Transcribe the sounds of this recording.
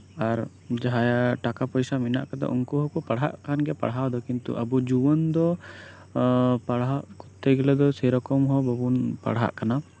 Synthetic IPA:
aɾ | d͡ʒaɦajaʈakapɔjsamina̰ʔkad̪ɔ̰ʔuŋkuɦɔkɔpaɽɦa̰ʔkanɡɛpa̰ɽɦawd̪ɔkint̪ṵʔəbud͡ʒuwɔnd̪ɔ | paɽɦaʔkɔt̪ːɛɡɛlɛd̪ɔsɛjɾɔkɔmɦɔbɔbunpa̰ɽɦa̰ʔkana

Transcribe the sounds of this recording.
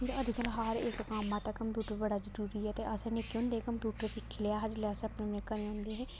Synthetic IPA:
pʰɪɾəd͡ʒkəlɦaːɾɪkkaːmãːt̪akəmpjuːʈəɾbəɽaːzəɾuːɾiːɛːt̪eːʔəsãnekːeʊ̃ːnd̪eɛ̃kəmpjuːʈəɾsɪkʰːleaːɦəd͡ʒleaːsəbnẽmnekəɾẽːõːnd̪eːɦɛ̃ː

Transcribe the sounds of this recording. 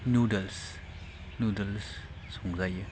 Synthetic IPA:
nudels | nudels | soŋzajɯ

